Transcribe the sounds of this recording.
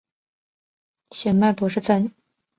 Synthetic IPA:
ɕɛ˨˩nma˥˩pɔ˧˥ʂɻ̩˥˧t͡sʰə˥˩n

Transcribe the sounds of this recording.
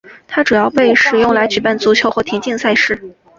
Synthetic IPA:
t̪ʰa˥ʈ͡ʂu˨˩jɑ˥˧ʊpe˥˩ɪʂɻ̩˨˩jʊ˥˩ŋla˧˥ɪt͡ɕy˨˩pa˥˩nt͡su˧˥t͡ɕʰjo˧˥ʊxwt̪ʰi˧˥nt͡ɕi˥˧ŋsa˥˧ɪʂɻ̩˥˩

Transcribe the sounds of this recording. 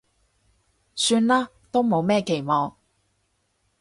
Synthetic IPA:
syː˧nlaː˥ | t̪o˥wmo˨˧wmɛː˥ke˨˩jmɔː˨ŋ

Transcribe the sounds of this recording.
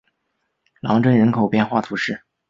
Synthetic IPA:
lɑ˧˥ŋʈ͡ʂə˥˩nɻə˧˥nkʰo˨˩ʊpjɛ˥˧nxwa˥˩t̪ʰu˧˥ʂɻ̩˥˩

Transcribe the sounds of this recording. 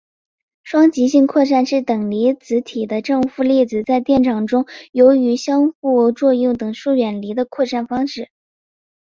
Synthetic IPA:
ʂwɑ˥ŋt͡ɕi˧˥ɕi˥˧ŋkʰwɔ˥˧ʈ͡ʂa˥˧nʂɻ̩˥˩t̪ɤ˨˩ŋli˧˥t͡sɹ̩˧˥t̪ʰi˨˩d̪ə˦ʈ͡ʂɤ˥˧ŋfu˥˧li˥˩d͡zɹ̩˨˩t͡sa˥˧ɪt̪jɛ˥˩nʈ͡ʂʰɑ˨˩ŋʈ͡ʂʊ˥ŋjo˧˥ʊy˧˥ɕjɑ˥ŋxu˥˩t͡swɔ˥˧jʊ˥˩ŋt̪ɤ˨˩ŋʂu˥˩ɥɛ˨˩nli˧˥d̪ə˧kʰwɔ˥˧ʈ͡ʂa˥˩nfɑ˥ŋʂɻ̩˥˩

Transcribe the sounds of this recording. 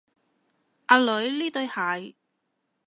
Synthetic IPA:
ʔaː˧lɵ˨˥ɥliː˥t̪ɵ˧ɥhaː˨˩j

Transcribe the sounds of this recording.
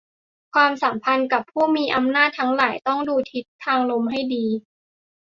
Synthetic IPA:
kʰwaː˧msa˩˦mpʰa˧nka˨˩pʰːuː˥˩miː˧ʔa˧mnaː˥˩t̪ʰːa˦˥ŋlaː˩˦jt̪ɔ˥˩ŋduː˧t̪ʰi˦˥t̪ʰːaː˧ŋlo˧mɦa˥˩jdiː˧

